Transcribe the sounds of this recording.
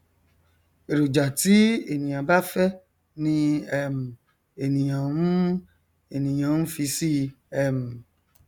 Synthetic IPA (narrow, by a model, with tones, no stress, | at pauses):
e˨ɾo˨d͡ʒa˨ti˦e˨nĩ˨j̃ã˨ba˦fɛ˦ | nĩ˧˦ɛ˦m˨ | e˨nĩ˨j̃ã˨n̩˦ | e˨nĩ˨j̃ã˨˦n̩˦fi˧si˦ | ɛ˧˨m̩˨